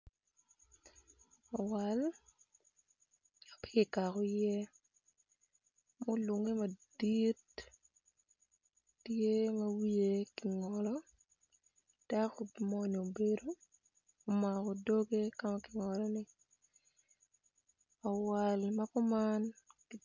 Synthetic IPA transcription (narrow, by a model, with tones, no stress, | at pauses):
ɔ˨wal | a˨pɪ̥˦kɪ˨ka˨kɔ˨jɛ˦ | mo˦lo˨ŋe˦ma˨di˦t | tje˦mɐ˦wi˦e˦kɪ˨ŋɔ˨lɔ˦ | d̥a˦kɔ˨mɔ˦ni˨o˨be˨do˦ | o˨ma˨kɔ˨do˦ɡe˦kamakɪ˨ŋɔ˨lɔ˦nɪ˨ | ɔ˨wa˨lma˦kɔ˦mankɪ˨